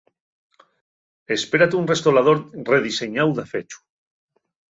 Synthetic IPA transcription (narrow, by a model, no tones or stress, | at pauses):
espeɾat̪unrest̪oɾað̞oɾreðiseɲawðafet͡ʃu̥